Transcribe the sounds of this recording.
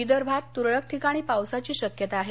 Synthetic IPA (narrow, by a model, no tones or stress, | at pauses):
id̪əɾbʱat̪ːuɾɭək̚ʈʰikaɽ̃iːpawsat͡ɕiːɕəkjət̪aːɦe